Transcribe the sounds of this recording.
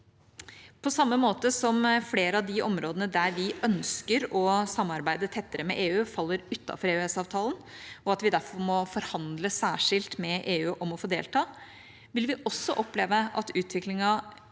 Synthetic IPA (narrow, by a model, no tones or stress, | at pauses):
pʰɔsɑmːəmoːt̪əsɔmfleːɾəɑʋd̪ɪʔɔmɾoːd̪ənəd̪æɾʋɪʔœnskəɾɔsɑmːɑɾbæɪd̪ət̪ʰɛt̪ːəɾəmɛʔeːʉːfɑlːəɾʉt̪ːɑ̰fɔɾeːʉɛsɑːʋt̪ʰɑːlənɔɑt̪ʋɪd̪æɾfɔɾmɔfɔɾhɑnd̪ləsæːʂɪlt̪mɛʔeːʉːʔɔmɔfoːd̪ḛːlt̪ʰɑː | ʋɪlʋɪʔɔsːɔʔɔpleːʋəʔɑt̪ʉːt̪ʰʋɪklɪŋɑ